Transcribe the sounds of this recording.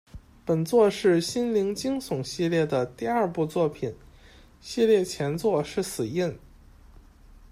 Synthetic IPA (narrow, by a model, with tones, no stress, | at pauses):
pə˨˩nt͡swɔ˥˧ʂɻ̩˥˩ɕi˥nli˧˥ŋt͡ɕi˥ŋsʊ˨˩ŋɕi˥˧ljɛ˥˩d̪ə˩t̪i˥˧ɐ˞˥˧pu˥˧t͡swɔ˥˩pʰi˨˩˦n | ɕi˥˧ljɛ˥˩t͡ɕʰjɛ˧˥nt͡swɔ˥˧ʂɻ̩˥˩sɹ̩˨˩i˥˩n